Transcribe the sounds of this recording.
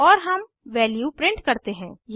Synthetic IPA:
ɔːɾɦɐm | ʋɛːljuːpɾɪ̃ɳʈkɐɾt̪eɦɛ̰̃ːj

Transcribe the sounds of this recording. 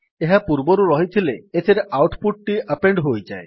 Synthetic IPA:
eɦapuɾboɾuɾɔɦit̪ʰileet̪ʰiɾeʔawʈpuʈ̚ʈiəpeɳɖɦojd͡ʒae

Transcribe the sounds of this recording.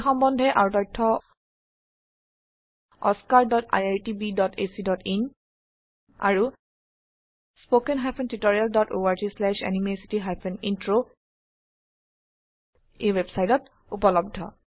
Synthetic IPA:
xɔmbɔndʱɛʔaɹutɔjtʰːɔ | ɔ̰skaɹdɔta̰jaɹtibidɔtʰesidɔtʰin | a̰ɹu | spokenɦajpʰentitoɹialdɔtoaɹtislɛʃɛ̰nimesi̥tiɦajpʰenintɹo | ewebsajtɔt | upɔlɔb̚dʱɔ̰

